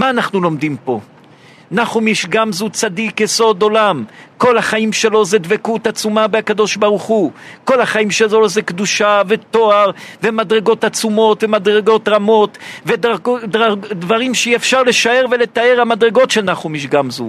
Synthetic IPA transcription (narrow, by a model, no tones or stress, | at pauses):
maːnaχnulo̞md̪impo̞ | naχumiʃɡamzut͡sad̪ikjeso̞d̪o̞lamko̞laχaimʃe̞lo̞zed̪vekut̪at͡sumabeakad̪o̞ʃbaʁuχuko̞lhaχaimʃezo̞zekd̪uʃave̞t̪o̞aʁve̞mad̪ʁe̞ɡo̞t̪at͡sumo̞t̪vemad̪ʁeɡo̞t̪ʁamo̞t̪veddʁadvaʁimʃeiefʃaʁle̞ʃae̞ʁvele̞t̪ae̞ʁamad̪ʁeɡo̞tʃelnaχumiʃɡamzṵ